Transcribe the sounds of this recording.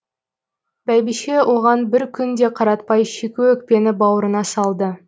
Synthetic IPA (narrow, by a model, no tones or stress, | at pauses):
bæjbiʃe̞wʔo̞ʁɑnbɪɾkʲʰʏnd̪e̞qʰɑɾɑt̪̚pɑjʃekʲuɵk̚pe̞nɪbɑwəɾənɑsɑlˠd̪ə